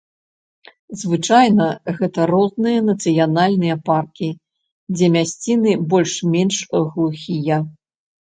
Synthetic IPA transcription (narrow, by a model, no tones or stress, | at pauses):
zvɨt͡ʂajnɐɣɛt̪ɐɾɔznɨjɐnɐt̪sɨjanalʲnɨjɐparkʲi | d͡zʲɛmʲasʲt͡sʲinɨbɔlʲʂmʲɛnʂɣlˠuxʲijɐ